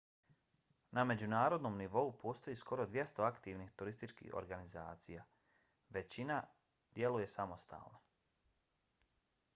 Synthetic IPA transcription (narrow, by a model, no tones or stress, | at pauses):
name̞d͡ʑunaːɾo̞d̪noːmniʋo̞upʰo̞ːst̪o̞jiːsko̞ɾo̞d̪ʋje̞st̪o̞akt̪iːʋnit̪uɾist̪it͡ʃkḭho̰ɾɡaniza̰ːt̪sija | ʋe̞t͡ɕina | d̪̥je̞luje̞samo̞st̪ʰa̰ːlˠno